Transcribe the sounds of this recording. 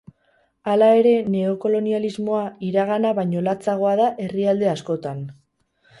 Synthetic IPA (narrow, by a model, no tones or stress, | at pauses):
alae̞ɾe̞ne̞o̞ko̞lo̞nializmo̞aiɾaɣ̞anaβajɲo̞lat͡saɣ̞o̞aðaʔe̞riald̪e̞asko̞t̪an